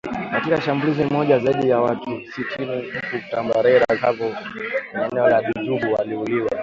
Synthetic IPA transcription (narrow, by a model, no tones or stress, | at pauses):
katikaʃambulizimɔʄazaiɗijawakisitʰinim̩putambaɾɛɾazavɔkɲanɛɔlaɗituɓuwaliuliwa